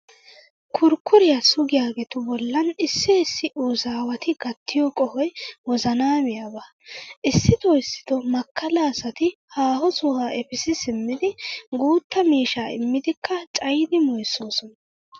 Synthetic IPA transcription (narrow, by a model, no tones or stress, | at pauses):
kʰʊɾkːʊɾɪjasʊɡɪjaːɡɛt̪ʊbɔlːɐnɪsːɪɪsːɪʔuːzaːwɐt̪ɪɡɐt̪ʰːɪjɔkʼɔhɔjwɔzɐnaːmɪjaba | ʔɪsːɪt̪ɔɪsːɪ̥t̪ɔmɐkʰːɐlaːsɐt̪ɪhaːhɔsʊhaːʔɛfɪsɪsɪmːɪd̪ɪɡuːt̪ːɐmiːʃaːɪ̰mːɪd̪ɪkʰːɐt͡ʃʼɐjd̪ɪmɔjsːoːsɔnɐ